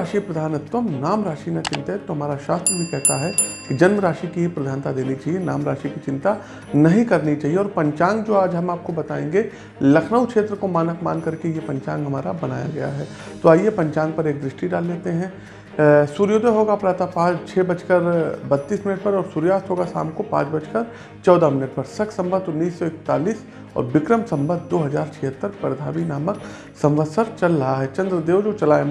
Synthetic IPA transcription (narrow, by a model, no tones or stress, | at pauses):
aːʃipɾɐd̪ʱaːnət̪wəmnaːmɾaːʃinat͡ʃɪ̃nt̪aɛt̪ːoɦɐmaːɾaʃaːst̪ɾəbʱikɛɦt̪aɦɛkid͡ʒɐnməɾaːʃikiepɾɐd̪ʱaːnt̪ad̪eːnit͡ʃaːɦienaːmɾaːʃikit͡ʃɪ̃nt̪a | nɐɦĩkɐɾnit͡ʃaːɦieɔːɾpɐ̃ɲt͡ʃãːŋɡd͡ʒoːaːd͡ʒɦɐmaːp̚kobɐt̪aːẽːŋɡe | lɐkʰnəʋkʃeːt̪ɾəkomaːnəkmaːnkɐɾkejepɐ̃ɲt͡ʃã̰ːŋɡɦɐmaːɾabɐna̰ːja̰ɡɐ̰ja̰ɦɛː | t̪oaːjepɐ̃ɲt͡ʃãːŋɡ̚pɐɾeːk̚d̪ɾɪʃʈiɖaːlːeːt̪eɦɛ̃ː | suːɾjoːd̪ʱəɦoːɡapɾaːt̪apãːt͡ʃʰɛːbɐt͡ʃkəɾbɐt̪ːiːsmɪnəʈ̚pɐɾɔːɾsuːɾjaːst̪ɦoːɡasa̰ːmkopã̰ːt͡ʃbɐt͡ʃkəɾ | t͡ʃɔːd̪amɪnəʈpɐɾsɐksɐ̃mbəɾt̪ʊnːiːsːɔɪk̚t̪a̰ːliːs | ɔ̰ːɾʋɪkɾəmsɐ̃mbəɾd̪oːɦɐzaːɾt͡ʃʰɛɦət̪ːəɾpɐɾd̪ʱaːʋinaːmək | sɐ̃mʋəd̪səɾt͡ʃɐlɾɐɦaɦɛt͡ʃɐ̃nd̪ɾəd̪eːʋd͡ʒot͡ʃɐlaːe